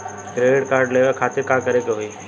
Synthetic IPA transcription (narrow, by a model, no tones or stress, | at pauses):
ɾeɽkaːɾɖleʋəkʰaːt̪ɪɾkãkəɾekeɦoi